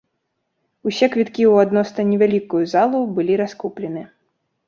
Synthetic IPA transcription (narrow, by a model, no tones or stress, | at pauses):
usʲɛkvʲit̪kʲiwad̪nɔsnɐnʲɛvʲalʲikujuzalˠubɨlʲiɾaskuplʲɛnɨ